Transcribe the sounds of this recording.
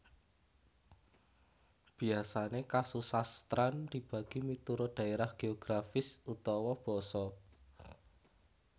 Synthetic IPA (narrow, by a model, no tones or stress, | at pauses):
b̥i̤asanekasusast̪ɾanrib̥a̤ɡ̥i̤mit̪uɾoɖ̪̥ä̤eɾahɡ̥eoɡ̥ɾafɪsut̪ɔwɔb̥ɔ̤sɔ